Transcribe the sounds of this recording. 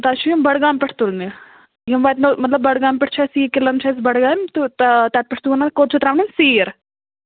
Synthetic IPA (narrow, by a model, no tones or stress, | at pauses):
t̪aːt͡ʃʰujmbɐɽɡaːmpɪʈʰt̪ulne | jmʋaːt̪nomɐt̪ləbːɐɽɡaːmpɪʈʰt͡ʃʰasiːkɪlɐnt͡ʃʰas̬bɐɽɡaːmt̪ut̪t̪at̪̚pɪʈʰt̪unakot͡ʃʰut̪ɾaːʋninsiːɾ